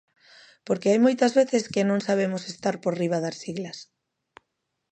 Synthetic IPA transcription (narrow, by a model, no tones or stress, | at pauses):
poɾkeajmojt̪ɐzβeθeskɪnõŋsaβ̞emʊsest̪aɾpoɾriβ̞aðasiɣlɐs